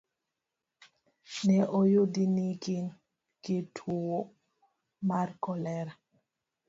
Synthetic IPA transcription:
nɛʔɔjodinikin | ketʰuwo | maɾkɔlɛɾa

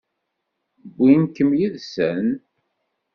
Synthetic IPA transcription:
bːinkəmjiðsən

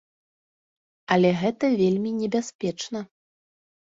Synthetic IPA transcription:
ɐlʲɛɣɛt̪ɐvʲelʲmʲinʲɛbʲasʲpʲɛt͡ʂnɐ

